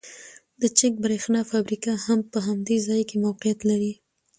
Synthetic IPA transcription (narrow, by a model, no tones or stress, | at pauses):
d̪ət͡ʃɪk̚bɾexnɑfabɾikahampəɦamd̪ezɑjkemawqijat̪laɾi